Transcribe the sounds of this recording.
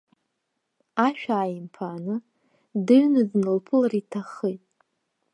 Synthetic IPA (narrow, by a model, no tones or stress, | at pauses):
aʃᶣaːjimpʰanɨ | dɨɥnɨznɨlpʰɨlaritʰaχəjtʼ